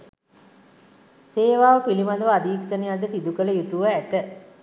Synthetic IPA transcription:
seːʋaːʋəpilimad̪əʋəad̪iːksənejad̪əsid̪ukələjut̪uʋəæt̪ə

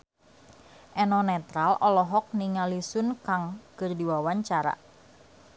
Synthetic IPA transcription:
ʔɛnɔnɛt̪ɾalɔlɔɦɔk̚niŋalisʊnkaŋkɨrdiwawaɲt͡ʃaɾa̰

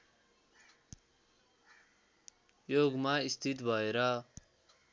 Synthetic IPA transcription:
joɡmaist̪ʰit̪bʱʌeɾʌ

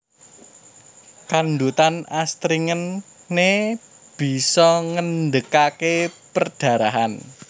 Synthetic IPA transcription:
kand̪ut̪anast̪ɾiŋənː | e | b̥i̤sɔŋəndəkakepərd̥ä̤ɾaɦan

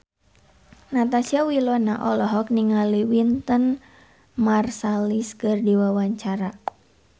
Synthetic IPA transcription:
nat̪asiawilɔnaʔɔlɔɦɔk̚niŋaliwint̪ən | marsaliskɨrdiwawaɲt͡ʃaɾa

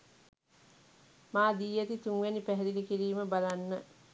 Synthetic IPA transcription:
maːd̪iːjət̪it̪uŋʋænipæɦɛɾilikiɾiːməbalanːə

